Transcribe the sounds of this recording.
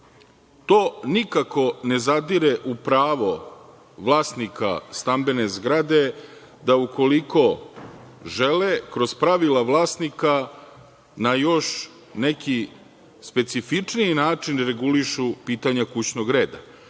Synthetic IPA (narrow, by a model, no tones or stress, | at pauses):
t̪oːnikako̞ne̞zad̪iɾeʔupɾaːʋo̞ | ʋlˠaːsnika̰st̪ambe̞ne̞zɡɾad̪e̞ | d̪auko̞liko̞ | ʒelekɾo̞zpɾaʋilaʋlˠaːsnika | najo̞ʃ | neki | spe̞t̪sifit͡ʂniinaːt͡ʂinɾe̞ɡuliʃupiːt̪aɲakut͡ɕno̞ɡɾe̞ːd̪a̰